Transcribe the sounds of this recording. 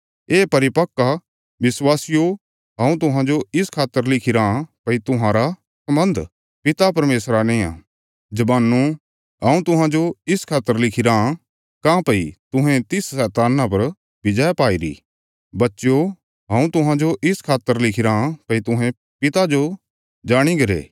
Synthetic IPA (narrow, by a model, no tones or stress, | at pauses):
eːpɐɾɪpɐkːa | ʋɪswaːsɪjo | ɦãːũt̪ʊɦãd͡ʒoɪskʰaːt̪ːəɾlɪkʰiɾãpɐit̪ʊɦãːɾa | sɐmə̃nd̪ʱ | pɪt̪apɐɾmeːsɾanẽːã̰ | d͡ʒɐbaːnːu | ɦãːũt̪ʊɦãd͡ʒoɪskʰaːt̪ːəɾlɪkʰɪɾa | kãpɐit̪ʊ̃ɦɛ̃t̪ɪssɛːt̪aːnap̬ɐɾ | bɪd͡ʒɛpaːiɾḭ | bɐtːʃjo | ɦãːũt̪ʊɦãd͡ʒoʔɪskʰaːt̪ːəɾlɪkʰɪɾapɐit̪ʊɦɛ̃ | pɪt̪ad͡ʒo | d͡ʒaːɽ̃iɡɐɾḛː